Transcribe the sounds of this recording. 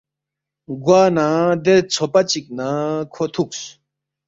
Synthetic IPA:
ɡwaːnad̪et͡sʰopat͡ɕik̚nakʰot̪ʰuk̚s

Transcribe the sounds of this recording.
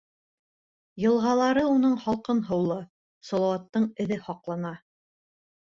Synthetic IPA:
jɤ̆lˠʁɑlˠɑɾɤunɤɴχɒlˠqɤnɦɤ̆wlˠɤ | sɒlˠɑwɑt̪ːɤɴɘ̆ðɘhɒqlˠɑnɑ

